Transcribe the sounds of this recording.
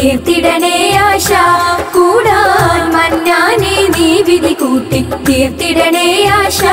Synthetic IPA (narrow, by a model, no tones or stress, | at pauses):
et̪iɖɐnejaːʃakuːɽɐmɐnːjaːnid̪iʋid̪ikuːʈːid̪eːɾt̪iɽɐneːjaːʃa